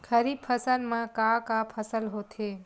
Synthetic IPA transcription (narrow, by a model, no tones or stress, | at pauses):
kʰəɾiːb̚pʰəsəlmãkakapʰəsəlɦot̪ʰe